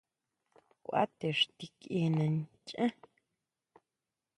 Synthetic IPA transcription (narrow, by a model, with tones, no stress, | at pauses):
kʷʔa̰˦t̪e˨ʂt̪i˧ki˧nã˧nt͡ʃʼʔã˦